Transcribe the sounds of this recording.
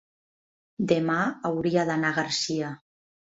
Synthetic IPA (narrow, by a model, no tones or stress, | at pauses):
d̪emaawɾiaðanaɣaɾsia